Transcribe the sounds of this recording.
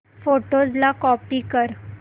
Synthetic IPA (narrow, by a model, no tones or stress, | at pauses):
foʈozlakɔpiːkəɾ